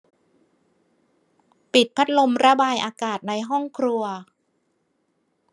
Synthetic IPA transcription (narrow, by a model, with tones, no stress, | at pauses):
pi˨˩t̪̚pʰa˦˥t̪̚lo˧mɾa˧baː˧jʔaː˧kaː˨˩t̪̚na˧jɦɔ˥˩ŋkʰɾu˧ɐ